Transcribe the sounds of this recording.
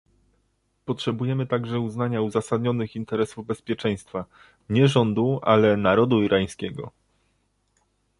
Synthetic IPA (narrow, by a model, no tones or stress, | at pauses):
pɔtʂɛbujɛmɘt̪aɡʐɛuznaɲauzasad̪ɲɔnɘxint̪ɛɾɛsuvbɛspʲjɛt͡ʂɛj̃st̪fa | ɲɛʐɔnd̪uʔa̰lɛnaɾɔd̪uiɾʔaj̃skʲɛɡɔ̰